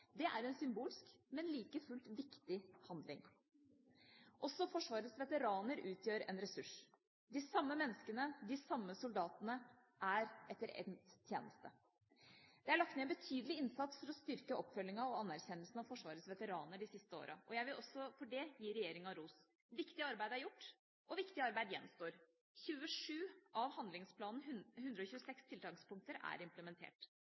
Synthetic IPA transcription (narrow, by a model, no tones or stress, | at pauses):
d̪ɛʔæɾɛnsʏmbuːlɪskmɛnliːkəfʉlt̪ʋɪkt̪ɪhɑnd̪lɪŋ | ʔɔsɔfɔʂʋɑːɾəsʋɛt̪əɾɑːnəɾʔʉːt̪ʰjøːɾɛ̰nɾɛsʉʂ | d̪ɪsɑmːəmɛnːəskənəd̪ɪsɑmːəsʊld̪ɑːt̪ənə | ʔæɾʔɛt̪ːəɾɛ̰nt̪t̪ʰjḛːnəst̪ə | d̪ɛæɭɑk̚t̪neːbət̪ʰyːd̪əlɪɪnsɑt̪sfɔɾɔst̪ʏɾkəɔpːfœlːɪŋɑɔɑnːæɾçɛnːəlsn̩ɑʋfɔʂʋɑːɾəsʋɛt̪əɾɑːnəɖɪsɪst̪əo̰ːɾʔɑʔɔjæɪʋɪlʔɔsːɔfɔɖɛjiːɾɛjeːɾɪŋɑɾuːs | ʋɪkt̪ɪɑɾbæɪd̪əæɾjʊʈː | ʔɔʋɪkt̪ɪɑɾbæɪd̪jɛnːmst̪oːɾ | çʉːəʂʉːɑʋhɑnd̪lɪŋspʰlɑːnn̩hʉnd̪ɾəɔçʉːəsɛkst̪ʰɪlt̪ʰɑŋspʊŋk̚t̪əɾæ̰ɾɪmpləmɛnt̪ʰḛːʈ